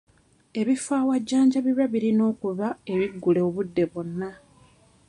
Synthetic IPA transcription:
e̞βifaːwaɟːaːɲɟaβiβaβiɾino̞ːkuβae̞βiɡːule̞oβudːe̞βo̞nːa

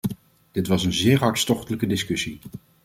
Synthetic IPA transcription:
d̥ɪtʋɑsənzɪːɹɦɑɹtstɔχtələkədɪskɵsi

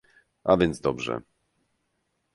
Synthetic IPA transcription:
avʲjɛnd̪zd̪ɔbʐɛ̰

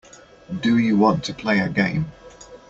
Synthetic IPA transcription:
dəjəwɒ̃ntʰəpʰl̥eɪəɡẽɪ̃m

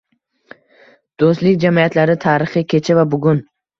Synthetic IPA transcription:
d̪̥ost̪lɪk̚ʲd͡ʒamijat̪laɾɪt̪ʰaːɾɪχɨkʲʰe̞t͡ʃʰavabʊɡʲʊn

